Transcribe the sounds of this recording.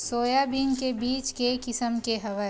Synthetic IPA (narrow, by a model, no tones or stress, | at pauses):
soːjabiːnkebiːt͡ʃkekɪsəmkeɦɐʋə